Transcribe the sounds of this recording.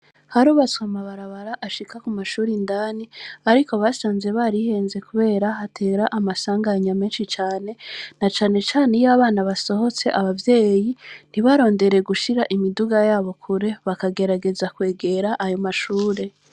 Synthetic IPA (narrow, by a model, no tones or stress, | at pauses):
haɾuːβat͡swamaβaɾaβaɾaʔaʃikakumaʃuːɾindaːniaɾiko̞βasaːnze̞βaːɾiheːnze̞kuβe̞ːɾaɦatʰe̞ːɾaʔamasaːŋɡaɲameːnʃit͡ʃaːne̞nat͡ʃaːne̞t͡ʃaːnejaβaːnaβaso̞ho̞t͡se̞ʔaβavje̞ːjin̥iβaɾo̞ːnde̞ɾe̞ɡuʃiɾaʔimiduɡajaːβo̞kʰuɾe̞βakaɡe̞ɾaɡe̞zakwe̞ːɡe̞ɾaʔajo̞maʃuːɾe̞